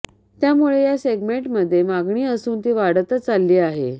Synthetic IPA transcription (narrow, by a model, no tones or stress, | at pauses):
t̪jamuɭejaseɡmeɳʈməd̪ʱːjemaɡɳiːəsuːnt̪iʋaɽət̪ət͡salːiːaɦḛ